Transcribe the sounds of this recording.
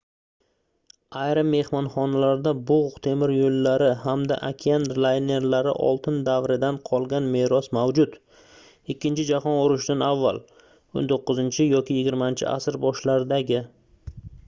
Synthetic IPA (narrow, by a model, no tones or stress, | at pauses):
ajɾɪmːe̞hmɒnχɒnalaɾd̪abʊʁt̪ʰe̞mɪɾjolːaɾɪhamd̪a̰ʔakʲʰianlˠajne̞ɾlaɾɪ̰ʔɒ̰lˠt̪ʰɪnd̪avɾɪd̪anqʰɒlˠɡʲanme̞ɾɒsmawd͡ʒʊd̪ | ɪkʲʰːɪnt͡ʃʰɪd͡ʒahɒnʊɾʊʃd̪anavːa̰lˠ | o̰nt̪ʰoqːɨzɪnt͡ʃʰɪjɒkʲɪjɪɡʲɪɾmant͡ʃʰɪ̰ʔa̰sɪɾbɒʃlaɾɪd̪aɡʲɪ